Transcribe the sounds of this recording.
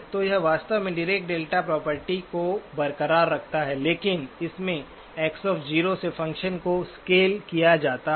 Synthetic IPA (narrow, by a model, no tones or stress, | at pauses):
t̪ojɛɦʋaːst̪əʋmẽɖɪɾeːk̚ʈ̚ɖeːlʈapɾɔːpəɾʈikobɐɾkəɾaːɾːɐkʰt̪aɦɛleːkɪnɪsmẽ | ɛːksɔːfd͡ʒiːɾosefɐ̃ŋkʃənkoskeːlkijad͡ʒaːt̪a